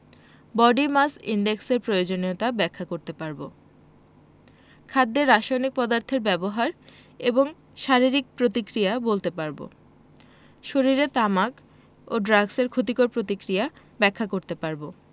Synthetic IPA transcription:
bɔɖimasḭɳɖekseɾpɾojod͡ʑoniot̪abɛkʰːakoɾt̪epaɾbo | kʰad̪ːeɾːaʃajnik̚pɔd̪aɾt̪ʰeɾbɛboɦaɾ | eboŋ | ʃaɾiɾik̚pɾot̪ikɾijabolt̪epaɾbo̰ | ʃoɾiɾet̪amak | oɖɾaɡseɾkʰot̪ikoɾpɾot̪ikɾija | bɛkʰːakoɾt̪epaɾbo

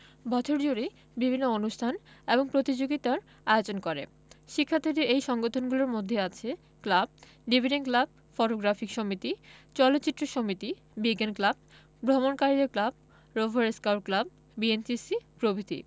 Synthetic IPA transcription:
bɔt͡ɕʰoɾd͡ʑuɾi | bibʱinːoonuʃt̪ʰaneboŋpɾot̪id͡ʑoɡit̪aɾ | aeot͡ɕonkoɾḛ | ʃikʰːat̪ʰeɾeɾejʃɔŋɡot̪ʰonɡuloɾmod̪ʱːeat͡ɕʰe | klab̚ | ɖibʱiɖenklab̚ | fɔʈoɡɾafikʃomit̪it͡ɕɔlot̪ːɕit̪ːɾoʃomit̪i | bikenklab̚ | bɾomonkaɾid̪eɾklab̚ | ɾobʱaɾeskawɾklab̚ | bient͡ɕisipɾobʱid̪ʱḭ

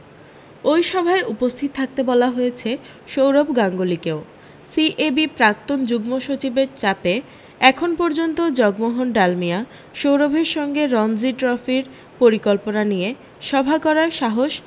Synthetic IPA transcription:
ojʃɔbʱaeupost̪ʰit̪̚t̪ʰak̚t̪ebɔlaɦojet͡ɕʰe | ʃowɾobʱɡaŋɡolikeo | siʔebipɾak̚t̪ond͡ʑuɡmoʃot͡ɕibeɾt͡ɕape | ɛkʰonpɔɾd͡ʑont̪od͡ʑɔɡmoɦonɖalmija | ʃowɾobʱeɾʃɔŋɡeɾɔnd͡ʑiʈɾɔfiɾ | poɾikolponanije | ʃɔbʱakɔɾaɾʃaɦoʃ

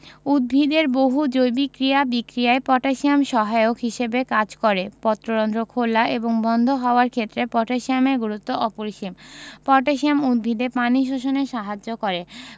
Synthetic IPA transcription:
ud̪̚bʱid̪eɾboɦud͡ʑojbikɾijabikɾijaepɔʈaʃiamʃɔɦaeokɦiʃebekad͡ʑkɔɾepɔt̪ːɾoɾɔnd̪ɾokʰolaʔeboŋbɔnd̪ʱoɦɔoaɾkʰet̪ːɾepɔʈaʃiameɾɡuɾut̪ːoʔɔpoɾiʃimpɔʈaʃiamud̪̚bʱid̪epaniʃoʃoneʃaɦad͡ʑːokɔɾe

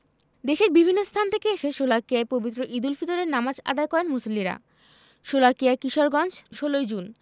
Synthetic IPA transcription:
d̪eʃeɾbibʱinːost̪ʰant̪ʰekeeʃeʃolakiaepobit̪ːɾoʔid̪ulfit̪oɾeɾnamad͡ʑa̰d̪ajkɔɾenmusolːiɾa̰ | ʃolakiaekiʃoɾɡɔnd͡ʑʃolojd͡ʑun

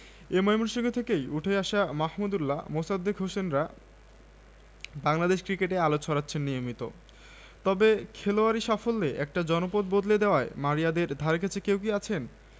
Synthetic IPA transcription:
emɔemuɾʃiŋɡet̪ʰekejuʈʰeeaʃamahmud̪ulːa̰mosad̪ːekɦoʃenɾa | baŋlad̪eʃkɾikeʈealot͡ɕʰɔɾat̪ːɕʰenːijomit̪o̰ | t̪ɔbekʰeloaɾiʃafolːeʔɛk̚ʈad͡ʑɔnopod̪bod̪led̪eoaemaɾijad̪eɾd̪ʱaɾeket͡ɕʰekewk̬iat͡ɕʰen

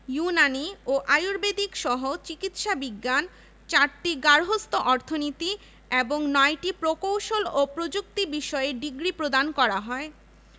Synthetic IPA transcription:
junanioʔajuɾbed̪ikʃɔɦot͡ɕikit̪ʃabiɡːan | t͡ɕaɾʈiɡaɾɦost̪oʔɔɾt̪ʰonit̪i | eboŋnɔeʈipɾokowʃolopɾod͡ʑuk̚t̪ibiʃɔeɖiɡɾipɾod̪ankɔɾaɦɔe

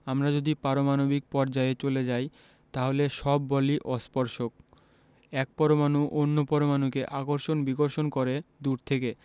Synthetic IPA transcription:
amɾad͡ʑod̪ipaɾomanobik̚pɔɾd͡ʑaet͡ɕoled͡ʑaj | t̪aɦoleʃɔbːɔliʔɔspɔɾʃok̚ | ɛk̚pɔɾomanuʔonːopɔɾomanukeʔakoɾʃonbiɡoɾʃonkɔɾed̪uɾt̪ʰeke

